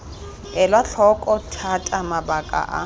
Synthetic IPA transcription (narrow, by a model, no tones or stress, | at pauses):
ɛlwaɬʰɔkʼɔtʰatʼamabakʼa̰ʔa̰